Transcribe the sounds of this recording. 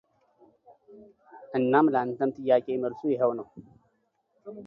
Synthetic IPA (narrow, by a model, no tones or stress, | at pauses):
ʔɨnːamləʔant̪əmt̪ʼɨjːaːkʼeməlsujɛɦəwnəw